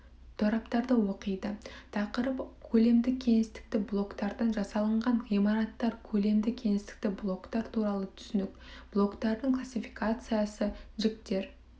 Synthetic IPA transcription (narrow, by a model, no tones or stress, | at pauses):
t̪ʰoɾɑpt̪ɑɾd̪əwo̞qəjd̪ət̪ʰɑqəɾəpkʲʰɵle̞md̪ɪkʲʰe̞ŋɪst̪ɪ̥k̚t̪ɪblˠo̞kt̪ɑɾd̪ɑnʒɑsɑlˠəɴʁɑɴijmɑɾɑt̪ːɑɾkʲʰɵle̞md̪ɪkʲʰe̞ŋɪst̪ɪ̥k̚t̪ɪblˠo̞kt̪ɑɾt̪ʰuɾɑlˠət̪ʰʏ̥sɪnɪkb̥lˠo̞kt̪ɑɾd̪əɴklˠasʲifi̥kat̪sɨjasəʒɪk̚t̪e̞ɾ